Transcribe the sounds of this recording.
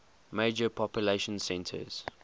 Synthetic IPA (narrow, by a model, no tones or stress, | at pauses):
meːd͡ʒəpʰɔpjʊleɪʃə̃nsɛ̃ntʰə̰z̥